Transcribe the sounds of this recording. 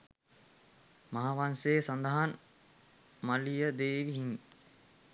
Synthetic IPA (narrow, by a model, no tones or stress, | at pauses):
maɦaʋanseːsand̪əɦan | malijəd̪eːʋiɦin